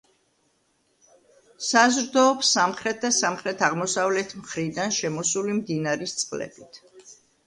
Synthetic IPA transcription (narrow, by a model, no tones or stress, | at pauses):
sazɾd̪ɔːpsːamχɾɛt̪̚ʰd̪asamχɾɛt̪ʰaʁmɔsavlɛt̪ʰmχɾid̪anʃɛmɔsulimd̪inaɾist̪sʼqʼlɛ̰b̥it̪ʰ